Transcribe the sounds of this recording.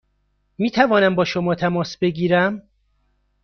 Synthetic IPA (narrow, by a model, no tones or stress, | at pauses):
miːt̪ʰævɒːnæmbɒːʃomɒːt̪ʰæmɒːsbe̞ɡiːɾæm